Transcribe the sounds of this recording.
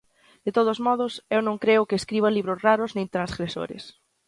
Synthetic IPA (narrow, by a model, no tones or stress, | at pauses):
d̪̥et̪oð̞ozmɔð̞ʊsewnõŋkɾeʊkeːskɾiβ̞aliβɾosraɾʊznẽnt̪ɾãnzɣɾeso̰ɾɪ̰s